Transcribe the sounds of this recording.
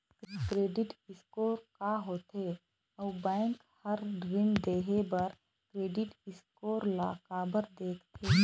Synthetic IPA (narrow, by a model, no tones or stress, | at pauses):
kkɾeːɖɪʈɪskoːɾkaɦoːt̪e | ɔːbɛ̃ːŋk | həɾɖɾɪnd̪eːɦebəɾ | kɾeːɖɪʈɪskoːɾlaːkaːbəɾd̪eːkʰt̪ʰeː